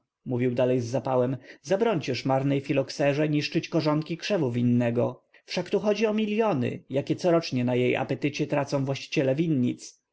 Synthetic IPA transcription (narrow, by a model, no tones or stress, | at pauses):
muvʲiwd̪alɛjzːapawɛmzabɾɔɲt͡ɕɛʂmaɾnɛjfʲilɔksɛʐɛɲiʂt͡ʂɘt͡ɕkɔʐɔŋkʲikʂɛvuvʲinːɛɡɔ | fʂakt̪uxɔd͡ʑiɔmʲilʲjɔnɘ̰jakʲɛt̪sɔɾɔt͡ʂɲɛnajejʔa̰pɛt̪ɘt͡ɕɛt̪ɾat̪sɔ̃w̃vwaɕt͡ɕi̥t͡ɕɛlɛvʲinːɲit̪s